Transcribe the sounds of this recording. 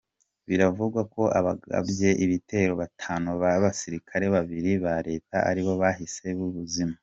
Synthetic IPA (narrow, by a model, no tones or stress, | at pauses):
βiɾavuɡwako̞ʔaβaɡa̰bje̞ʔiβite̞ːɾo̞βatʰaːnuβaβasiɾikʰaɾe̞βaβiɾiβaɾe̞ːta̰a̰ɾiβo̞βaɦise̞βuβuzima